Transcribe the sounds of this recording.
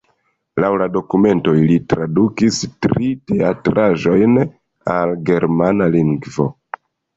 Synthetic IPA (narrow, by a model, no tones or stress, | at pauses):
lawlado̞kume̞ntoilitɾadukistɾite̞atɾaʒo̞jn | alɡe̞ɾmanaliŋɡvo̞̰